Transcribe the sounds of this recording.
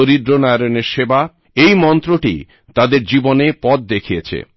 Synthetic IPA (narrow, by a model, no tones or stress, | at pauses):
oɾid̪ɾonajɾoneɾʃeba | ejmɔnt̪ɾoʈḭ | t̪ad̪eɾd͡ʑibonepɔt̪̚d̪ekʰijet͡ɕʰḛ